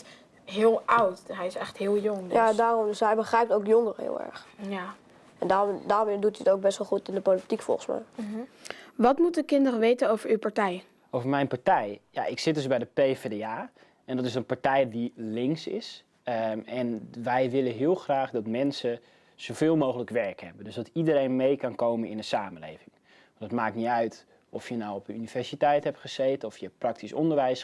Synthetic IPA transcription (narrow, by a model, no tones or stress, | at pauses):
ɦɪəlˠawtɦɛjɪsɛxthɪəlˠjʊŋjadaːrɔmdøsɦɛjbəχrɛjp̚towkjoŋərəhɪ̰ːlˠɛ̰ɹx | ɛndaːdaːrmɪdutiətowk̚bɛsʋəlˠxutɪndəpolitikfɔ̰lˠxəsmɛ̰j | ʋɔtmutəkɪndərəʋeːtənowvəɹywpaɹtɛj | ʔowvəɹmɛjnpaɹtɛjja̰ʔɪksɪt̚døsbɛjdəpevedeaː | ɛndɔtɪsənpaɹtɛjdilɪŋksɪ̰s | ɛnʋɛjʋɪləɦɪəlˠxraːχdɔtmɛnsə | z̥owvɪːlˠmowɣələkʋɛɹkhɛbəndøsdɔtidəɾejnmejkɑnkowmənɪnəsaːməlḛːvɪŋ | ʋɔndɔtmaːk̚niœɥt | ɔfjənawɔpənynivɛɹsitɛjthɛpχəzeːtəɔfjəprɑk̚tʰisɔ̰ndəɹʋɛjs